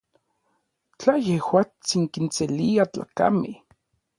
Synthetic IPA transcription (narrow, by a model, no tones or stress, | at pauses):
t͡ɬajehwaːt͡siŋkinseliat͡ɬa̰ka̰me